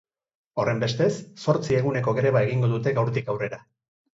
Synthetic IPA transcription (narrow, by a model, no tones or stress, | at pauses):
o̞re̞mbe̞st̪e̞sːo̞ɾt͡sie̞ɣ̞une̞ko̞ɣe̞ɾe̞βae̞ɣiŋɡo̞ðut̪e̞ɣawɾt̪ikawre̞ɾa